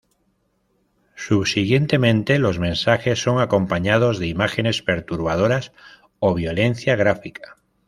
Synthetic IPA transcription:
suβsiɣje̞nt̪e̞mẽnt̪e̞lo̞zmẽ̞nsaxe̞sːo̞ŋako̞mpaɲað̞o̞zðeimaxe̞ne̞spe̞ɾt̪uɾβ̞aðoɾas | oβ̞jo̞le̞n̟θjaɣɾafikḁ

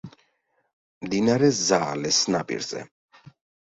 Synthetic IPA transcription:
md̪inaɾɛzaːlɛsnapʼḭɾz̥ɛ̰

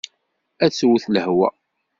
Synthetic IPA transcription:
æt͡sːwθləhwæ̰

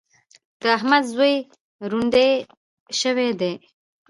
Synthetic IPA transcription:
d̪̥əaɦmad̪zwej | ɾuɳɖ̪e | ʃəwed̪e

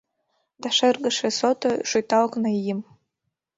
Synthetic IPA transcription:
daʂɨrɡɨʂɐsotʰʼaʂujtʰʼalkʷʰʼnajɪm

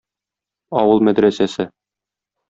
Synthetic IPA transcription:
ɒwɤlˠmæd̪ɾæsæsɘ

